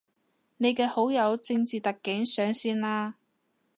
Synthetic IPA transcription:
ne˨˧jkɛː˧ho˨˥wjɐ˨˧wt͡sɪ˧ŋt͡siː˨t̪ɐ˨kːɪ˨˥ŋsœː˨˥ŋsiː˥nlaː˥

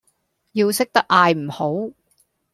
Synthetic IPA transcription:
jiː˧wsɪ˥k̚t̪ɐ˥k̚ʔaː˧jm̩˨˩ho˨˥w

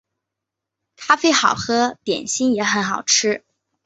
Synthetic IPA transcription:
t̪ʰa˥fe˥ɪxɑ˨˩ʊxɤ˧˥t̪jɛ̰˨˩nɕi˥njɛ˧˥xə˧˥nxɑ˨˩ʊʈ͡ʂʰɻ̩˥

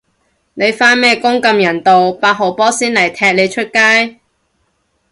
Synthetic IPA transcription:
ne˨˧jfaː˥nmɛː˥˩kʊ˥ŋkɐ˧mjɐ˨˩nt̪o˨wpaː˧t̚ɦo˨˩wpɔː˥siː˥nlɐ˨˩jt̪ʰɛː˧k̚le˨˧jt͡ʃʰɵ˥t̚kaː˥j

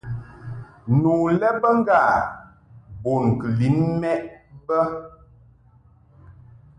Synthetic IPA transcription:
nu˨lɛ˦bə˦ŋ˦ɡa˦˨ | bo˨n˨kə˨li˨˦nmɛ˦ʔbə˦

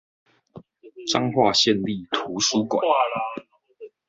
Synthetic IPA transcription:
ʈ͡ʂa˦ŋxwa˥˨ɕjɛ˥˨nli˥˨t̪ʰu˨˦su˦kwa̰˨˦

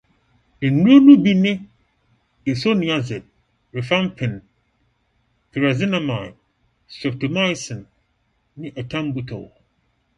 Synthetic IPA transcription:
dɪ̃˨nũ˦o˦nũ˦bi˦nɪ̃˦ | e˨so˦nĩ˨a˦zɛ˨t̚ | ɾe˨fã˦mpʰɪ̃˨n | tʰi˨ɾa˨zɪ˦na˦ma˨j | sɛ˨p̚to˨ma˦jsɪ̃˨nː | ɪ̃˦ʔa˨tʰã˦mbu˨tʰo̰˨

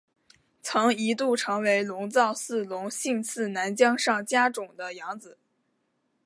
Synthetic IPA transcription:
t͡sʰɤ˧˥ŋi˧˥t̪u˥˩ʈ͡ʂʰɤ˧˥ŋwe˧˥ɪlʊ˧˥ŋt͡sɑ˥˧ʊsɹ̩˥˩lʊ˧˥ŋɕi˥˧nt͡sʰɹ̩˥˩na˧˥nt͡ɕjɑ˥ŋʂɑ˥˩ŋt͡ɕja˥ʈ͡ʂʊ˨˩ŋd̪ə˦jɑ˧˥ŋt͡sɹ̩˨˩˦

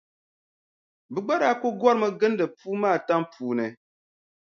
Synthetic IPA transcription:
bɨ˨ɡ͡ba˦ɾa˨˦ko˦ɡwɔ˦ɾmɨ˦ɡɨ˦n˦dɨ˨pu˦maː˦˨ta˦mpuː˨nɛ˨

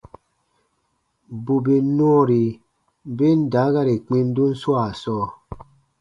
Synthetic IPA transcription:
bu˨bi˨˦nwɔ˦ɾi˨ | be˦n̩˦da˨˦ɣa˦ɾe˨k͡pi˦n̩˦du˦n̩˦swa˦˨sɔː˦˨

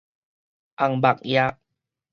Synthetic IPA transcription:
ʔa˨ŋba˨k̚ja˦k̚

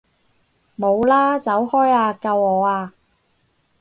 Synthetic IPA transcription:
mo˨˧wlaː˥t͡sɐ˨˥whɔː˥jaː˧kɐ˧wɔː˨˧aː˧

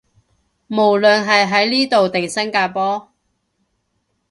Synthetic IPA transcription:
mo˨˩wlɵ˨nɦɐ˨jɦɐ˨˥jliː˥t̪o˨wt̪ɪ˨˩ŋsɐ˥ŋkaː˧pɔː˥

